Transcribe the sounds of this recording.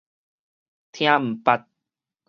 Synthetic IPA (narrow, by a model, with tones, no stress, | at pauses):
t̪ʰj̃ã˦m̩˨˩pa˧t̪̚